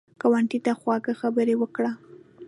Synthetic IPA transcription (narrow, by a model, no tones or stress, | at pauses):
kawaɳʈit̪axwɑɡaxabəɾewəkɽa